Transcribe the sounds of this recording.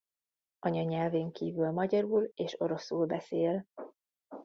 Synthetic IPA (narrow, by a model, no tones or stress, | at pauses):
ʔɒɲɒɲɛlveːŋkiːvylmɒɟɒɾuːleːʃo̞ɾo̞suːlbɛseːl